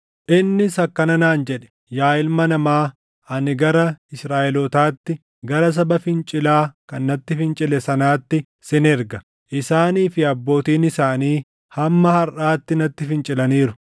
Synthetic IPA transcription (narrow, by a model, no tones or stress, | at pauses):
ʔɪnːɪsɐkːɐnɐnaːnd͡ʒɛᶑɛ̥ | jaːɪlmɐnɐmaː | ʔɐnɪɡɐɾɐɪsɾaːʔɛlɔt̪aːt̪ːɪ | ɡɐɾɐs̬ɐbɐfɪnt͡ʃʼɪlaːkɐnːɐt̪ːɪfɪnt͡ʃʼɪlɛsɐnaːt̪ːɪ | sɪnɛɾɡɐ | ʔɪsaːniːfɪɐbːo̞ːt̪iːnɪsaːniː | hɐmːɐhɐɾʔaːt̪ːɪnɐt̪ːɪfɪnt͡ʃʼɪlɐniːɾʊ